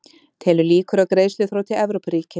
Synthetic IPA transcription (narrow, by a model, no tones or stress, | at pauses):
t̪ʰɛːlʏliːkʏɾawkɾeːjslʏθɾaːwt̪ʰɪlɛvɾowpɾiːcɪ